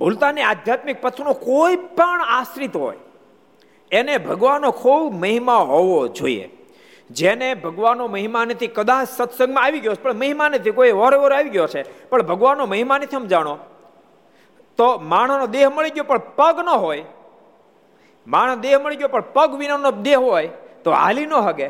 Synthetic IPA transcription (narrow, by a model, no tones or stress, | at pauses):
bʱult̪aniad̪ʱjat̪mik̚pət̪ʰunokoipəɳasɾit̪ɦo̰j | enebʱəɡʋanːokʰubməɦimaɦoʋod͡ʒo̰ḭḛ | d͡ʒenebʱəɡʋanːoməɦimanət̪ʰikəd̪at͡ʃsət̪sə̃ŋɡmãaʋiɡjot͡ʃʰepəɳməɦimanət̪ʰikoiʋɔɾeʋəɾaʋiɡjot͡ʃʰepəɳbʱəɡʋanːoməɦimanət̪ʰiɦəmd͡ʒaɽ̃o | t̪omaɳ̤̃nod̪eɦməɭiɡjopəɳpəɡnəɦoj | maɳ̤̃d̪eɦməɭiɡjopəɳpəɡʋinond̪eɦɦojt̪oa̰linoɦəɡe